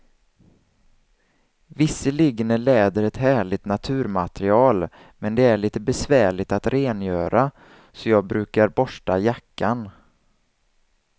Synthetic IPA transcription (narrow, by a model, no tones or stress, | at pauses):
vɪsːəlɪɡnəlɛːd̪əɾɛt̪hæːɭɪt̪nat̪ʰʉ̟ːɾmat̪ɾɪɑːl | mɛnd̪ɛæɭiːt̪əbɛsvæːɭɪɡt̪at̪ɾeːnjœːɾa | sɔjɑːɡ̚bɾʉ̟ːkaɾbɔʂʈajakːan